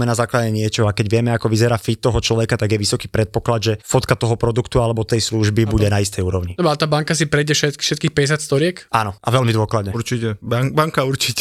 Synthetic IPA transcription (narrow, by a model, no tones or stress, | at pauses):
mɛnazaːklaɟɛɲɪɛt͡ʃɔɦɔakɛɟʋɪɛmɛakɔʋizɛɾaːfit̪ːɔɦɔt͡ʃlɔʋɛkat̪aɡjɛʋisɔkiːpɾɛt̪̚pɔklad̪ʒɛfɔt̪kat̪ɔɦɔpɾɔd̪ukt̪ualɛbɔt̪ɛjsluʒbibuɟɛnaist̪ɛjuːɾɔʊɲid̪obalt̪aːbaŋkasipɾɛjɟɛfʃɛt̪ʃɛt̪kiːxpɛɟɛs̬jat̪st̪ɔɾɪɛkʔanɔʔaʋɛlmid̪ʊɔklad̪ɲɛuɾt͡ʃicɛbaŋbaŋkauɾt͡ʃicɛ